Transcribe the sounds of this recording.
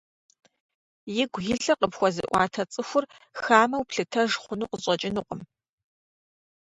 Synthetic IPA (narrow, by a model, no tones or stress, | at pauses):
jɪɡʷɣɪɬɐqəpxʷɔzɨ̰ʔʷɑ̰ːtʰɐt͡sʼɨxʷʊr | xxaːmɐwpɬɨtʰɐʒχʷʊnuːqəɕʼɐt͡ʃʼɪnuqʷʼəm